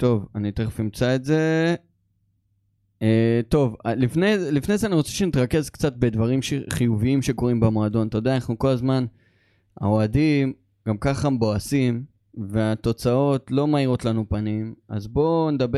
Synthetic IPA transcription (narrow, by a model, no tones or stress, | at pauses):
t̪o̞vanit̪eχfimt͡saetze̞ | t̪o̞valifnezelifnejzeaniʁo̞t͡seʃenitʁake̞zkt͡sat̚be̞dvaʁimʃeχijuviimʃe̞ko̞ʁimbemoad̪o̞nat̪ajodeanaχnuko̞lazman | a̰oadim | ɡ̥amkaχambo̞asim | ve̞at̪o̞t͡sao̞tlo̞maiʁo̞tlanupanima̰zbo̞ned̪abe